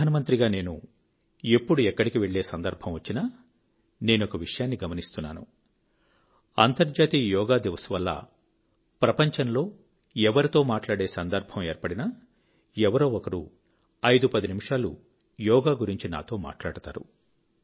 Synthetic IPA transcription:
aːnɐmɐnt̪ɾiɡaːne̞ːnṵ | e̞pːuɽuɛkːɐɽikiʋe̞ɭːe̞ːsɐnd̪ɐɾbʱɐmʋɐt͡ʃːina | ne̞ːnokɐʋiʂɐjaːnːiɡɐmɐnist̪unːaːnṵ | ɐnt̪ɐɾd͡ʒaːt̪iːjɔːɡaːd̪iʋɐsuʋɐlːɐ̰ | pɾɐpɐɲt͡ʃɐnlo̞ː | ɛʋɐɾit̪o̞ːmaːʈlaːɽe̞ːsɐnd̪ɐɾbʱɐme̞ːɾpɐɽinɐ | ɛʋɐɾo̞ːɔkɐɾu | ɐjd̪upɐd̪inimiʂaːlṵ | jɔːɡaːɡuɾiɲt͡ʃina̰ːt̪o̞ːma̰ːʈla̰ːɽut̪a̰ːɾṵ

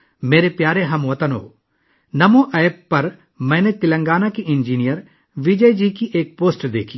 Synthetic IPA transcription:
meːɾepjaːɾeɦɐmʋɐt̪ənɦo̰ː | nɐmoʔɛːpːɐɾ | mɛ̃ːnet̪ɪlə̃ŋɡaːnakiʔɪ̃nd͡ʒiːnijəɾ | ʋid͡ʒəjd͡ʒiːkiʔeːk̚poːsʈd̪ḛːkʰiː

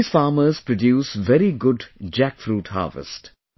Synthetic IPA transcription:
z̥faːməz̥pɾɔɖjuːsʋɛɾiɡʊɖd͡ʒækfɾuːʈha̰ːʋɪ̰sʈ

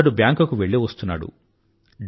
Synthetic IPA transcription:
ɽubjaːŋkɐkuʋeɭːiʋɐst̪unːa̰ːɽṵ | ɖ

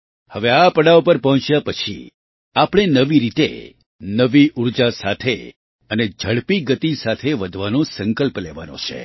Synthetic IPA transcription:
həʋeapəɽaʋopəɾpəɦɔ̃t͡ʃjapət͡ʃʰḭ | apəɽ̃enəʋiɾit̪ḛ | nəʋiʔuɾd͡ʒasat̪ʰe | əned͡ʒʱəɽpiɡət̪isat̪ʰeʋəd̪ʱʋanõsə̃ŋkəlpleʋa̰nõ̰t͡ʃʰḛ

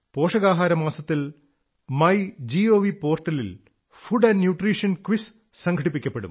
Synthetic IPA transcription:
po̞ːʂɐɣaːɦaːɾɐmaːsɐt̪ːil | mɐjd͡ʑio̞ːʋipo̞ːrʈɐlil | fuɖɐnnjuːʈriːʂɐnkʋis | sɐŋɡʰʱɐɽipːikʲːɐpːe̞ɽṵm

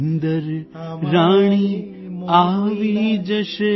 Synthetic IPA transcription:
nd̪əɾ | ɾaːɳ̃i | aʋid͡ʒəʃe

